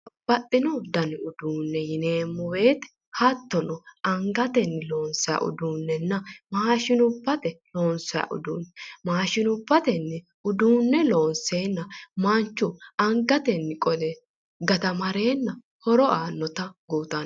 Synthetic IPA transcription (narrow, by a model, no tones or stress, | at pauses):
b̥ɐt̪ʼːɪnɔd̪ɐnɪʊd̪uːnːɛjɪne̞ːmːʊwe̞ːt̪ɛ̥ | hɐt̪ːɔnɔɐŋɡɐt̪ɛnːɪlo̞ːnsɔjɐ̰ʔʊ̰d̪uːnːɛnːɐmaːʃɪnʊbːɐt̪ɛlo̞ːnsɔjɐ̰ʔʊ̰d̪uːnːɛmaːʃɪnʊbːɐt̪ɛnːɪ | ʊd̪uːnːɛlo̞ːnseːnːɐmɐnt͡ʃːʊɐŋɡɐt̪ɛnːɪkʼɔd̪ɛ | ɡɐt̪ɐmɐɾe̞ːnːɐ | hɔɾɔʔaːnːɔt̪ɐɡuːt̪ɐn